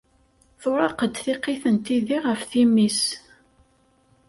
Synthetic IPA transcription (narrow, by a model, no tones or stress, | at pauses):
θʊɾˤɑqəd̪θiqeθənt̪iðiʁəfθimis